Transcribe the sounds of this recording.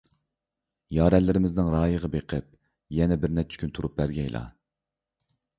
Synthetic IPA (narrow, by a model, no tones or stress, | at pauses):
jɑːɾɛlːɪɾɪmɪznɪŋɾɑːjəʁɑbeqʰəp̚ | jɛnɛbɪɾnɛt͡ʃʰi̥kʰʲynt̪ʰuɾup̚bæɾɡʲɛjlˠʔɑ̰